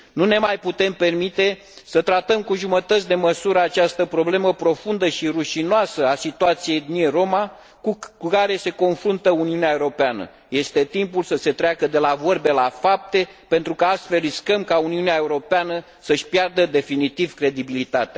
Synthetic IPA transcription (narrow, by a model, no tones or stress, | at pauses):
nune̞majput̪e̞mpe̞rmit̪e̞ | sət̪ɾat̪əmkuʒumət̪ət̪sʲd̪e̞məsuɾəat͡ʃast̪əpɾo̞ble̞məpɾo̞fund̪əʃiruʃinoasəasit̪uat̪sije̞jd̪niero̞ma | kuukaɾe̞se̞ko̞nfɾunt̪əuniuneaeuɾopeanə̰ | je̞st̪e̞t̪impulsəse̞t̪ɾeakəd̪e̞lavo̞rbe̞lafap̚t̪e̞ | pe̞nt̪ɾukəast̪fe̞lriskəmkauniuneae̞uɾo̞peanə | səʃʲpjard̪əd̪e̞finit̪ivkɾe̞d̪ibilit̪at̪ea